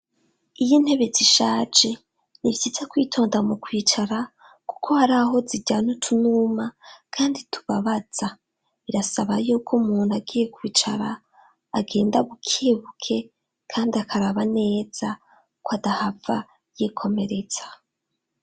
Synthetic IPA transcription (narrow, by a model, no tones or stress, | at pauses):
ijin̥he̞βe̞ziʃaːd͡ʒe̞ | niβjizakwiːtʰo̞ːndamukwiːt͡ʃaɾa | ku̥kʰo̞haɾaɦo̞ziɟaːnutʰunuːmakʰaːnditʰu̥βaβaz̥a | βiɾasaβajuːkʰomuːnaɡiːje̞kwiːt͡ʃaɾaː | ɡe̞ːndaβukʰeβukʰe̞ | kʰaːndiakʰaɾaβane̞ːz̥a | kwadahava | jikʰo̞me̞ɾe̞t͡sḁ